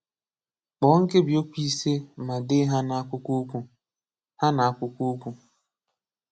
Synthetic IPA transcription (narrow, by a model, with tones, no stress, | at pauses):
k͡pɔ˨˦ŋ̩˦ke˦bi˨o˦kʷi˦se˦ma˨dɪ˦ɦa˦na˨a˦kʷʊ˦kʷu˦kʷu˦ | ha˦na˨a˦kʷʊ˦kʷu˦kʷu˦